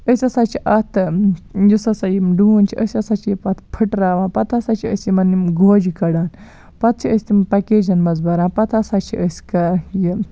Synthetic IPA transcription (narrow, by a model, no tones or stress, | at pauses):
əsʲɐsat͡ʃʰiʔɐt̪ʰjusɐsajimɖuunt͡ʃʰiʔəsʲɐsat͡ʃʰiipɐt̪ʰpʰəʈɾaːʋãːnpɐt̪ʰɐsat͡ʃʰiəsʲimɐnːimɡoːd͡ʒikɐɽaːn | pɐt̪̚ʰt͡ʃʰiəsʲt̪impɐked͡ʒɐnbɐzbɐɾaːnpɐt̪ʰɐsat͡ʃʰiəsʲkɐji